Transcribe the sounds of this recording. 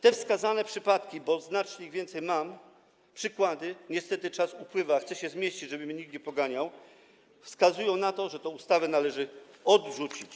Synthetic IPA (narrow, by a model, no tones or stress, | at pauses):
t̪ɛfskazanɛpʂɘpat̪kʲibɔznat͡ʂɲɛiɣvʲjɛnt̪sɛjmam | pʂɘkwad̪ɘɲɛst̪ɛt̪ɘt͡ʂasupwɘvaxt̪sɛɕɛzmʲjeɕt͡ɕid͡ʑʐɛbɘmʲɲik̚t̪ɲɛpɔɡaɲaw | fskazujɔ̃w̃nat̪ɔʐɛt̪ɔ̃ust̪avɛnalɛʐɘɔd̪ʐut͡ɕit͡ɕ